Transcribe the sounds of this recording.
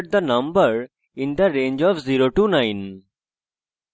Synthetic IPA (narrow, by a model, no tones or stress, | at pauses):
ʈ̚d̪ənʌ̃mbəɾ | ɪ̃nd̪əɾẽːnd͡ʒɔfziɾoʈuːnãɪ̃n